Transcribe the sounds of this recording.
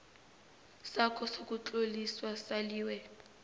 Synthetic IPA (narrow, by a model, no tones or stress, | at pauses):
sakʰʼɔsok̬ʼut͡ɬʼoliswasaliːwɛ